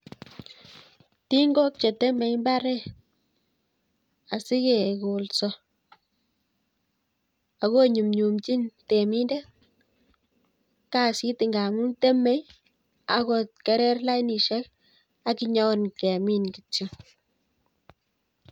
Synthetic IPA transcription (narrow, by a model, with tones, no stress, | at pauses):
t̪i˦ŋɡo˦k̚t͡ʃe˨t̪e˦me˧jmba˦ɾe˦ | a˨si˦ɡe˨ɡo˨lso˧ | a˨ɣo˦ɲu˨mɲu˨mt͡ʃi˦nt̪e˨mi˦nde˦ | ka˦˨si˦t̪i˧ŋɡa˨ŋu˦nt̪e˦me˦j | a˨ɡo˧t̪̚ke˧ɾe˦ɾla˦jni˨ʃe˦l | a˦ki˦˧ɲɔ˦nkɛ˨mi˦nɡi˨t͡ʃi˨